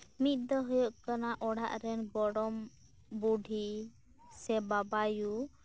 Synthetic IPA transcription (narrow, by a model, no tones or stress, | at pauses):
mit̪̚d̪ɔɦujɔʔkanaʔɔɽ̤ʱa̰ʔɾɛnbɔɽɔm | buɖʱi | sɛbabaju